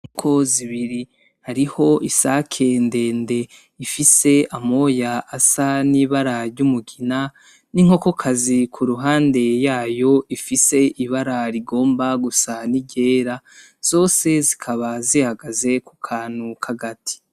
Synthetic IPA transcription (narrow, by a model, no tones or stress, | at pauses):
kʰo̞ziβiɾi | haɾiho̞ʔisakʰe̞nde̞ːnde̞ | ifise̞amo̞jaʔːsaniβaɾaɾɟumuɡina | niŋ̥o̞kokʰazikʰuɾuɦaːnde̞jaːjo̞ifise̞ʔiβaɾaɾiɡo̞ːmbaɡusaniɟe̞ːɾa | z̥o̞ːse̞zikʰaβazihaɡaze̞kukʰaːn̥hukʰaɡatʰi̥